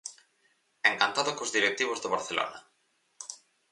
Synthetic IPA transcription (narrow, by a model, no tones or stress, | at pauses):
eŋkant̪aðokozðiɾek̚t̪iβ̞ozðeβaɾθelo̰nɐ